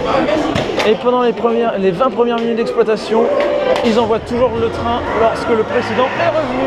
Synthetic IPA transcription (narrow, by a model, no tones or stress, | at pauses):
epɑ̃d̪ɑ̃lepχəɛlevɛ̃pχəmjɛʁminyt̪̚d̪ɛksplwat̪asjɔ̃ilzɑ̃vwat̪uʒuʁlət̪χɛ̃lɔʁskələpχesid̪ɑ̃ɛʁəv